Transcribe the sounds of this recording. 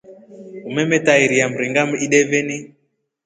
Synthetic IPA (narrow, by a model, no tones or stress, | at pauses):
umɛmɛtaiɾiam̩ɾiŋɡamiɗɛvɛni